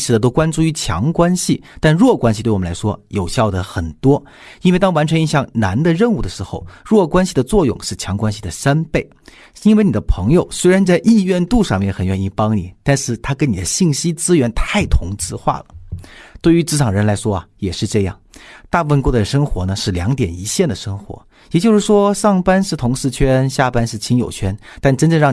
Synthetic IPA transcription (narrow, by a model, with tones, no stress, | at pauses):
ʂɻ̩˧˥d̪ə˧t̪̬o˥ʊkwa˥nʈ͡ʂu˥˩y˧˥t͡ɕʰjɑ̰˧˥ŋkwa˥nɕi˨t̪a˥˧nɻwɔ˥˩kwa˥nɕi˧t̪we˥˩˨la˧˥ʂwɔ̰˥jo˨˩ʊɕjɑ˥˩ʊd̪ə˩xə˨˩nt̪wɔ˥ | i˥n̩˥wɪt̪ɑ˥ŋwa˧˥nʈ͡ʂʰɤ˧˥i˧ɕjɑ˥˩ŋna˧˥nd̪ə˧ɻə˥˧nu˥˩d̪ə˩ʂɻ̩˧˥xo̰˥˧ʊɻwɔ˥˩kwa˥nɕi˧d̪ə˩t͡swɔ˥˧jʊ̰˥˩ŋʂɻ̩˥˩t͡ɕʰjɑ˧˥ŋkwa˥nɕi˧˩d̪ə˩sa˥npe˥˩ɪ | i˥nwe˥˧ɪni˨˩ə˦pʰɤ˧˥ŋjo˨˧˩ʊswe˥ɪɻa˧˥nt͡sa˥˧ɪʔi˥˧ɥɛ˥˧nt̪u˥˧ʂɑ˥˧ŋmjɛ˥˩nxə˨˩nɥɛ˥˩ni˥˩pɑ˥ŋni˨˩t̪a˥˧nʂɻ̩˥˩t̪ʰa˥kə˥ni˨˩d̪ə˦ɕi˥˩ŋɕi˥t͡sɹ̩˥ɥɛ˧˥nt̪ʰa˥˩ɪt̪ʰʊ˧˥ŋt͡sɹ̩˥˧xwa̰˥˩lə˩t̪we˥˩ɪy˧˥ʈ͡ʂɻ̩˥ʈ͡ʂʰɑ˨˩ŋɻə˧˥nla˧˥ɪʂwɔ˥ɐ̰˨jɛ˨˩ʂɻ̩˥˧ʈ͡ʂɤ˥˧jɑ̰˥˩ŋt̪a˥˧pu˥˩fə˥nkwu˥˩d̪ə˧˩ʂɤ˥ŋxwɔ˧˥nə˧ʂɻ̩˥˩ljɑ˧˥ŋt̪jɛ˨˩ni˧˥ɕjɛ˥˩nd̪ə˩ʂɤ˥ŋxwɔ̰˧˥ | jɛ˨˩t͡ɕjo˥˧ʊʂɻ̩˥˩ʂwɔ˥ʂɑ˥˩ŋpa˥nʂɻ̩˥˩t̪ʰʊ˧˥ŋʂɻ̩˥˧t͡ɕʰɥɛ˥nɕja˥˩pa˥nʂɻ̩˥˩t͡ɕʰi˧˥ŋjo˨˩ʊt͡ɕʰɥɛ˥nt̪a˥˩nʈ͡ʂə˥nʈ͡ʂɤ˥˧ɻɑ˥˩ŋ